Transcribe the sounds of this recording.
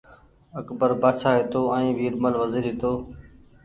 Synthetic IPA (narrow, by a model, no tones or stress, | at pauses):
əkbəɾbaːt͡ʃʰaːɦeːt̪oːɛ̃ːʋiːɾməlʋəziːɾɦɪːt̪oː